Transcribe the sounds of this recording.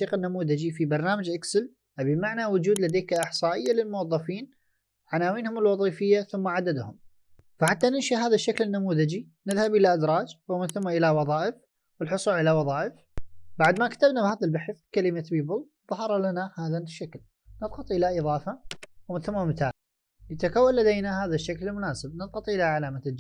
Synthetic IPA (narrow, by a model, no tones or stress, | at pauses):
iːqɪnːamuːðad͡ʒifibɑɾˤnaːmad͡ʒʔaksɪl | ʔabimaʕnawʊd͡ʒuːd̪lad̪eːkaʔɪħsˤɑːʔɪjːalɪlmʊwɑðˤːɑfiːn | ʕanaːwiːnhʊmɪlwɑðˤiːfɪjːaθʊmːaʕad̪ad̪hʊm | faħat̪ːanɪnʃaɦaːðaʃːaklɪnːamuːðad͡ʒi | nɪðhabʔɪlaʔad̪ɾˤɑːd͡ʒwɪmɪnθʊmːaʔɪlawɑðˤɑːʔɪf | wɪlħʊsˤuːlʕɪlawɑðˤɑːʔɪf | baʕd̪makḁt̪abnabhaːðalbaħɪθkalɪmabiːbʊl | ðˤɑhɑɾˤɑlanahaːðaʃːakl | nɨðˤqɑt̪ˤʔɪlaʔɨðˤɑːfɑwmɪnθamːamɪt̪aːl | nɪt̪akawːalad̪ejnahaːðaʃːaklɪlmʊnaːsɪb̚nɨðˤqɑt̪ˤʔɪlaʕalaːmad͡ʒ